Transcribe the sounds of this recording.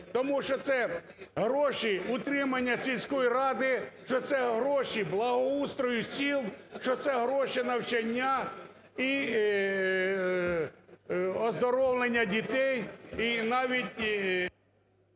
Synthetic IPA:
t̪ɔmuʃt͡ʃɔt̪sɛ | ɦɾɔʃiʊt̪ɾɪmɐnʲːɐsʲilʲsʲkɔjiɾɑd̪ɪʃt͡ʃɔt̪sɛɦɾɔʃiblˠɐɦɔust̪ɾɔjʊsʲilˠʃt͡ʃɔt̪sɛɦɾɔʃinɐwt͡ʃɐnʲːa | i | ɔzd̪ɔɾɔwlˠenʲːɐdʲit̪ɛjinɑʋʲitʲ

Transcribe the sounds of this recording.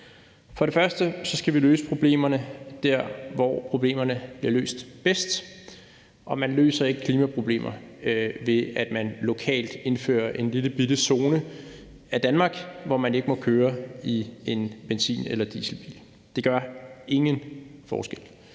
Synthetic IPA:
fɒ̽ɾ̥e̝fɶɐsd̥əsɒ̽sɡ̥æʋilø̰ːsə̥pʰʁo̝b̥le̝̰ːmɐnəd̥æɐ̰ʋɒ̰pʰʁo̝b̥le̝̰ːmɐnəb̥liɐlø̰ːsd̥b̥esd̥ | ʔɒ̽mænlø̰ːsɐe̝ɡ̥əkʰliːmæpʰʁo̝b̥le̝̰ːmʔɐʋe̝æd̥mænlo̝kʰɛ̰ːld̥e̝nfø̰ːɐʔe̝nliləb̥id̥əso̝ːnə | æd̥ænmɑ̈ːɡ̥ʋɒmæne̝ɡ̥əmɒ̽kʰøːɐie̝nb̥ensḭːnelɐd̥iːsl̩b̥ḭːl | d̥e̝ɡ̥ɶɐe̝ŋənfɒ̰ːsɡ̥el

